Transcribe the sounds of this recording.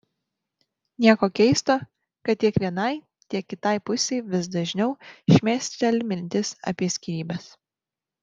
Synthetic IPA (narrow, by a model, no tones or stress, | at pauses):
nʲiɛkoːkʲɛɪst̪oː | kɐt̪̚t̪ʲiɛkʋʲiɛnɐɪ | t̪ʲiɛkːʲɪt̪ɐɪpʊsʲeɪʋʲɪsd̪ɐʒʲnʲɛʊʃʲmʲæːsʲt̪ʲt̪ʲɐlʲmʲɪnʲt̪ʲɪsɐ̰pʲiɛsʲkʲiɾʲiːbɐs